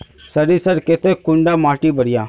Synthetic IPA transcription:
səɾisəɾket̪ekʊ̃ɳɖaːmaːʈibɐɽɪjaː

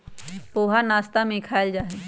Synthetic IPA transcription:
poːɦanaːst̪amẽkʰaːld͡ʒaːɦe

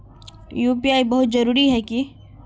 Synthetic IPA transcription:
juːpiaːibɐɦʊt̪zɐɾuːɾiɦɛki

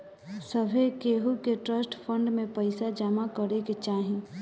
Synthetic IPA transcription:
səbʱekeːɦukeʈɾəsʈpʰə̃ɳɖmẽpəɪsad͡ʒamakəɾeket͡ʃaːɦĩ

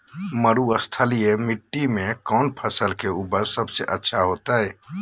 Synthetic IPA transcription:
məɾuəst̪ʰəlijemiʈːimẽkɔnpʰəsəlkeuːpəɾsəbseʔətːʃʰaɦot̪aɦɛː

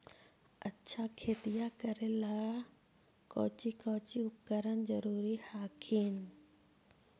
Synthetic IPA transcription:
ɐtːʃʰakʰeːt̪ijakɐɾelaː | kɔ̰ːt͡ɕikɔːt͡ɕiʊp̚kəɾənzɐɾuːɾihaːkʰiːn

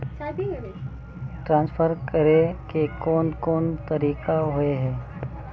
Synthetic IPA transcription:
ʈɾãːnsfʰəɾkəɾekekɔːnkɔːnt̪ɐɾiːkaɦʊeɦɛː

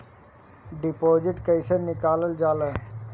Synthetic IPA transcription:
ɖɪpoːd͡ʒɪʈkɐjsənnɪkaːləld͡ʒaːlə

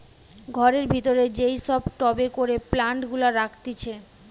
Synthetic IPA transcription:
ɡʱɔɾeɾbʱit̪oɾed͡ʑejʃɔbʈɔbekoɾeplaɳʈɡulaɾakʰt̪it͡ɕʰe

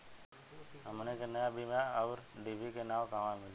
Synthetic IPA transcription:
ɦəmnekenəjabʱimaɔːɾɖiʋikenaːʋkaʋamɪl

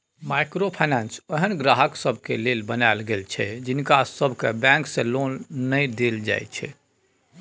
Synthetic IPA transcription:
majkɾopʰajnansəɦənɡɾaɦəksəbʱkelelbənajlɡelt͡ʃʰɛd͡ʒinkasəbʱkebɛ̃ŋksẽlonːəjd̪eld͡ʒa̰jt̪t͡ʃʰɛ̰

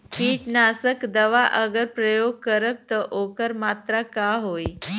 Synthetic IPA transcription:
kiːʈnasəkd̪əʋaʔəɡəɾpɾəjoɡ̚kəɾəb̚t̪əʔokəɾmat̪ɾakaɦoj

